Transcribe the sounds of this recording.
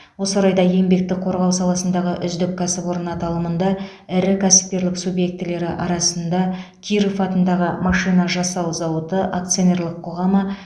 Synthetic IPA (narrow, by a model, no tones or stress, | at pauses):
wo̞səɾɑjd̪ɑe̞mbe̞k̚t̪ɪk̚qʰo̞ɾʁɑwsɑlˠɑsənd̪ɑʁəʔʏzd̪ɪk̚ʲkʰʲːæsɪpwo̞ɾənɑt̪ʰɑlˠəmənd̪ɑ | ɪɾɪkʲʰæsɪ̥p̚t̪e̞ɾlɪksubje̞k̚t̪ɪle̞ɾɪʔɑɾɑsənd̪ɑkʲʰiɾifɑt̪ənd̪ɑʁəmɑʃijnɑʒɑsɑwzɑwət̪əʔakt̪sijo̞ne̞rlˠəqʰːo̞ʁɑmə